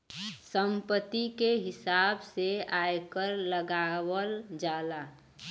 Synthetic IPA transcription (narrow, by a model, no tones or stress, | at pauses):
səmpət̪ːikeɦɪsaːbseaːjkəɾləɡaːwəld͡ʒaːla